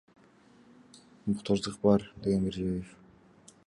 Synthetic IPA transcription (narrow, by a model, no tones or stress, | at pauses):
mʊqt̪ʰozd̪ɯq̚bɑɾd̪e̞ɡe̞nbiɾd͡ʒβejef